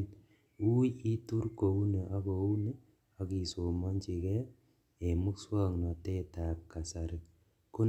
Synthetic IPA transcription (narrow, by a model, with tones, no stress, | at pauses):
n | u˦ji˦tu˦rko˨u˦ne˨ʔa˦ko˨u˦ne˦ | a˦ki˨so˨ma˦nt͡ʃi˨kɛ˦ | e˨mu˦kswa˦ŋna˨te˦ta˨p̚ka˨sa˨ɾɪ˨k | ku˦